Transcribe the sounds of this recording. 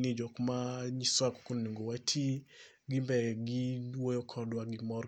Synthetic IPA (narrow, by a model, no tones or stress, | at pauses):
nid͡ʒɔkmaɲiswakɔ̥konniŋɡowatʰi | ɡimbɛɡidwojɔkʰɔdwaɡimɔ